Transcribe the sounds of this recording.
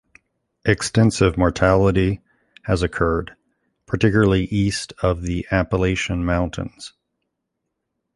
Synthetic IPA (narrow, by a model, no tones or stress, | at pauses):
ʔɨkstɛ̃nsɪvmɔɹtʰælˠəɾi | ɨzɨkʰɜ˞d̚ | pʰə˞tɪkjl̩ˠə˞lˠiʔistʰʌvðiʔæpəleɪʃɨ̃nmãʊ̃ntʰɨ̰̃nz̥